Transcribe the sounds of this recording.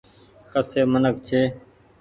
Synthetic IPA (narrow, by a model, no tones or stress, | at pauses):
kəseːmənək̚t͡ʃʰeː